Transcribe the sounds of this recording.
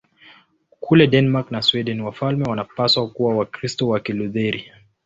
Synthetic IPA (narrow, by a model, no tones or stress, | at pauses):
kʰulɛɗɛnɛmaɾknaswɛɗɛniwafalmɛwanapaswakuwawakɾistɔwakiluðɛɾi